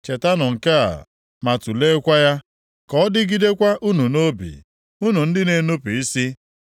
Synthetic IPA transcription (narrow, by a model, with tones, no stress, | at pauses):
t͡ʃe˨ta˦nɔ˨ŋ̩˨ka˦a̰˨ | ma˨tu˨le˦kʷa˦ja˦ | kɔ˦ɔ˦dɪ˦ɡi˦de˦kʷa˦ʔu˦nu˨no˦bḭ˨ | u˦nu˨n̩˦dɪ˦ne˨nu˦pu˨i˦si˦